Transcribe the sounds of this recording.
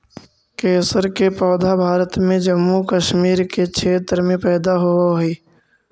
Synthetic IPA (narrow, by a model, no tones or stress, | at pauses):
keːsəɾkepɔːd̪ʱabʱaːɾət̪mẽd͡ʒəmːukəʃmiːɾkekʰeːt̪ɾmẽpɛːd̪aɦoaɦiː